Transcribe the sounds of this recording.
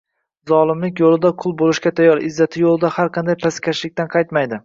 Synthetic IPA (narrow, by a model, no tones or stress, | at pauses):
zɒlˠɪmlɪkʲjolˠɪd̪aqʰʊlˠbolˠɪʃkʲat̪ʰajːɒɾɪzːat̪ʰɪjolˠɪd̪ahaɾqʰɑnd̪ajpʰaskʲʰaʃlɪk̚ʲt̪anqʰɑjt̪majd̪ɪ